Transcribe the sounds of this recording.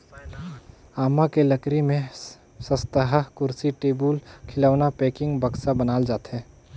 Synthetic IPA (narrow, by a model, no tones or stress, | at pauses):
aːmakeləkɾimẽ | səst̪əɦəkʊɾsiʈeːbulkʰɪlaːʋnapeːkɪ̃ŋɡbəksabənaːld͡ʒaːt̪ɦɛː